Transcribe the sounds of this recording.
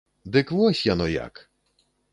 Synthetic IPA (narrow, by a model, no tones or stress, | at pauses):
d̪ɪkʋɔsʲjanɔja̰k